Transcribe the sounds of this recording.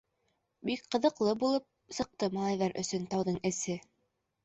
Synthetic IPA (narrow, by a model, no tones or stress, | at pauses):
bikqɤ̆ðɤ̆qlˠɤbulˠɤp̚sɤ̆q̚t̪ɤmɑlˠɑjðɑɾɵ̰̆sɵ̆nt̪ɑwðɤɴɘ̆sɘ